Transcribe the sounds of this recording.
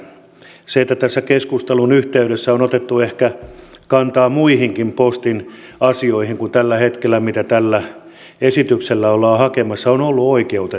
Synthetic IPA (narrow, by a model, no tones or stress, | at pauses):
seet̪ːæt̪æsːækeskust̪elunyht̪eyɾesːæonot̪et̪ːuehkækɑnt̪ɑːmuihiŋkimpost̪inɑsioihiŋkunt̪ælːæhet̪kelːæmit̪æt̪ælːæ | esit̪ykselːæolːɑːhɑkemɑsːɑonolːuoikeut̪e